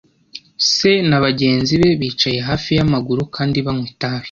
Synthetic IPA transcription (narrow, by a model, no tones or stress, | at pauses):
se̞naβaɟe̞ːnziβe̞βiːt͡ʃaje̞ɦaːfijamaɡuɾukʰaːndiβamŋwitaβi̥